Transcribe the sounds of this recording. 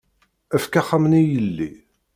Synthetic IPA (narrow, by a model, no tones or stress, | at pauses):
æfkaχːamnijəlːi